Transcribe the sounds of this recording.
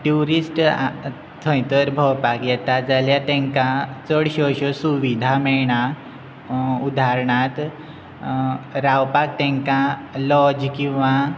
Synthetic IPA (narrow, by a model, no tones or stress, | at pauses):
ʈuɾisʈ | t̪ʰə̃jt̪əɾbʱəwpakjɛt̪ad͡zaljat̪ɛ̃ŋkãt͡səɽɕəɕɔsuʋid̪ʱamɛɭɳa | ud̪ʱaɾɳat̪ | ɾawpak̚t̪ɛ̃ŋkãlɔd͡ʑkĩw̃ʋã